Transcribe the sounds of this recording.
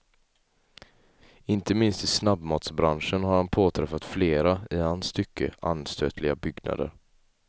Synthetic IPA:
ɪnt̪əmɪnst̪ɪsnabmɑːt̪sbɾanʂənɦaɾhanpʰoːt̪ʰɾɛfːat̪fleːɾaɪhanst̪ʏkːə̰ʔa̰nst̪ʰøːt̪ʰlɪɡabʏɡna̰d̪ə̰ɾ

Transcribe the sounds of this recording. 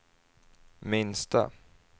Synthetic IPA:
mɪnst̪a̰

